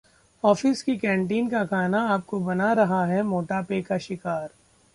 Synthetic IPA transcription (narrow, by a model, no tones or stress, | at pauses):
ɔːfɪskikɛ̃ːɳʈ̬iːnkakʰaːnaaːp̚kobɐnaɾɐɦaɦɛmoːʈapeːkaʃɪkaːɾ